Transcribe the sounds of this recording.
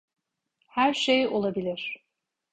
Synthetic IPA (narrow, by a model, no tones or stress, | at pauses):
hæɾʃejo̞lˠabilʲiɾ̥